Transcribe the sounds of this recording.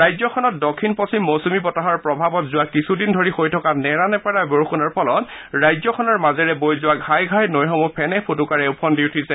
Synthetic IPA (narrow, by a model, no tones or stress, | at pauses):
ɹajzɔkʰɔnɔt̚dɔkʰːinposimːosumibɔtaɦɔɹpɹɔbʱabɔtzʊwakisudindʱoɹixojtʰɔkanɛɹanɛpaɹaboɹxunɔɹpʰɔlɔt | ɹajzɔkʰɔnɔɹmazɛɹɛbojzʊwaɡʱajɡʱajnojɦɔmɔpʰɛnɛpʰotukaɹɛʊpʰɔndiwtʰisɛ